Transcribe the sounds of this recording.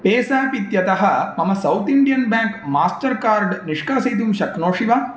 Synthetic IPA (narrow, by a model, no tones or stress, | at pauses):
peːsaːpit̪jɐt̪ɐɦɐmɐmɐsɐwt̪iɳɖijɐnbaːŋkmaːsʈɐɾkaːɾɖniʂkaːsɐjt̪̬umʃɐknoːʂiʋaː